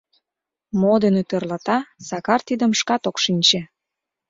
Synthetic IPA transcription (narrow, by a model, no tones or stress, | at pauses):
mod̪enet̪ørlɑt̪ɑsɑkɑrt̪id̪əmʃkɑt̪okʃinʲt͡ɕe